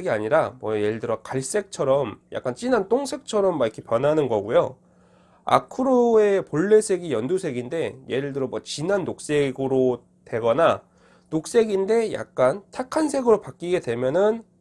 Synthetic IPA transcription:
ɡiaɲiɾamwʌje̞ɾɯɭdɯɾʌkaɭs͈e̞k̚t͡ɕʰʌɾʌmjʔa̰k͈ant͡ɕ͈inant͈oŋsʰe̞k̚t͡ɕʰʌɾʌmːaikʰe̞pjʌnɦanɯnɡʌɡujo | a̰kʰɯɾoe̞poɭːe̞sʰe̞ɡijʌndusʰe̞ɡinde̞jeɾɯɭdɯɾʌmwʌt͡ɕinanːok̚s͈e̞ɡɯɾo | twe̞ɡʌna | nok̚s͈e̞ɡinde̞ja̰k̚k͈antʰakʰansʰe̞ɡɯɾopak͈iɡe̞dwe̞mjʌnɯn

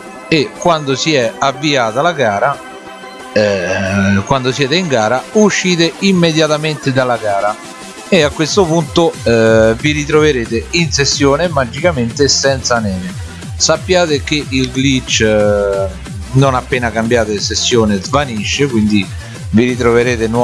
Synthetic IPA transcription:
ekːwand̪osiɛavːiaːt̪alaɡaːɾa | kwand̪osjɛːt̪eiŋɡaːɾauʃːiːt̪eimːed̪jat̪ament̪ed̪alːaɡaːɾa | eakːwest̪opunt̪o | viɾit̪ɾoveɾeːt̪einsesːjoːnemad͡ʒːikament̪esɛnt̪sanɛːme | sapːjaːt̪ek̟eʔilɡlit͡ʃː | nonapːeːnakambjaːt̪esesːjoːnezvaniʃːekwind̪i | viɾit̪̬ɾoveɾeːt̪en

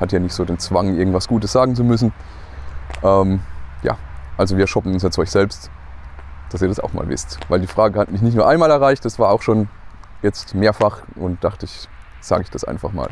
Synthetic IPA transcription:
hatəjaːnɪçtz̥oːdeːnt͡sv̥aŋʔɪɐɡŋ̩tv̥asɡ̥uːtəsz̥aːɡŋ̩t͡sumʏsn̩ | ʔɛːmja̰ːʔalzoviːɐʃɔpn̩ʊnsjat͡sɔʏçz̥ɛlpst | d̥asiːɐdasa̰ʊxma̰ːlvɪ̰stvaɪldiːfʁ̥aːɡəhatmɪçnɪçtnuːɐʔaɪmaːlɛɐʁaɪçtd̥asv̥aːɐaʊxʃoːnjɛt͡stmeːɐfaχʔʊntd̥aχtəɪç | z̥a̰ːɡəɪçd̥asʔa̰ɪnfaχma̰ːl

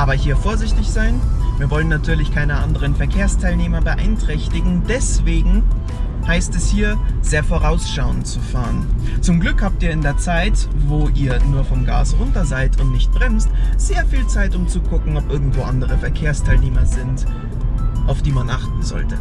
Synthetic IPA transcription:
ʔaːbɐɦiːɐfoːɐzɪçtɪçz̥aɪnviːɐvɔlənːatʰyːɐlɪçkʰaɪnəʔandəʁənfɛɐkʰeːɐstʰaɪlneːmɐbəʔa̰ɪntʁ̥ɛçtɪɡŋ̩dɛsv̥eːɡŋ̩ | haɪstɛshiːɐz̥eːɐfoːʁaʊsʃaʊənt͡sufaːʁən | t͡sʊmɡlʏkhaːp̚tiːɐɪndeːɐt͡saɪtvoːʔiːɐnuːɐfɔmɡa̰ːsʁʊntɐzaɪtʰʊntnɪçt̚b̥ʁɛmstz̥eːɐfiːlt͡saɪtʊmt͡suɡʊkŋ̩ɔpʔɪɐɡŋ̩tv̥oːʔandəʁ̞əfɛɐkʰeːɐstʰaɪlneːmɐzɪnt | ʔaʊfd̥iːmanʔaχt̚n̩zɔ̰ltə

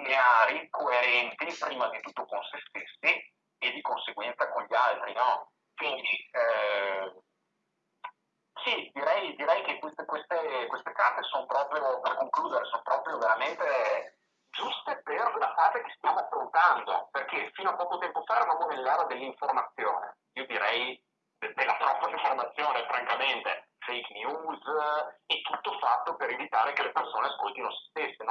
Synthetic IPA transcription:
neaɾikoeɾɛnt̪ipɾiːmad̪it̪ut̪ːokonsest̪esːi | ed̪ikonseɡwɛnt̪sakoɲʎːialt̪ɾinɔ | kwind̪i | sid̪iɾɛjd̪iɾɛjk̟ekwest̪ekwest̪ekwest̪ekart̪esonpɾɔːpɾjoperkoŋkluːd̪eɾesono̥pɾɔːpɾjoveɾament̪e | d͡ʒust̪eperlafaːzek̟e̥st̪jaːmoafɾont̪and̪o̰perkefiːnoapɔːkot̪ɛmpofaeɾavaːmovelːaːɾad̪elːiɱformat̪sːjo̰ːnḛ | iːod̪iɾɛj | d̪elːat̪ɾɔpːaiɱformat̪sːjoːnefɾaŋkament̪e | fejknjuːzɛt̪ːut̪ːofat̪ːopeɾevit̪aːɾekelepersoːneaskolt̪inose̥st̪esːin

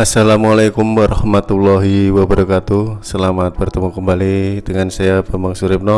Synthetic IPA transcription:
asalamalajkumwaɾɔhmat̪ulːɔɦiwabəɾɔkat̪usəlamat̪̚bərt̪əmukəmbalidəŋansajabamaŋsuɾɪp̚nɔ

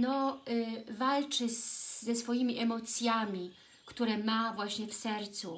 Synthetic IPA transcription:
nɔ | valt͡ʂɘːɛsfɔjimʲiʔɛmɔt̪sʲjamʲi | kt̪uɾɛmavwaɕɲɛfsɛɾt̪su

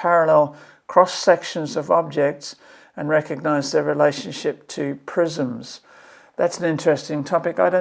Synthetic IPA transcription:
pʰæɹəlɛlˠ | kʰɹ̥ɔsɛkʃɨ̃nzʌvɑb̚d͡ʒɛk̚ts | ɨ̃nɹɛkɨɡ̚naɪzðəɹɨleɪʃɨ̃nʃɪp̚tʰɨpʰɹ̥ɪzə̃mz̥ | ðætsn̩ɪ̃nt͡ʃɹ̥ɛstɪ̃ŋtʰɒpɨkaɪɾõʊ̃

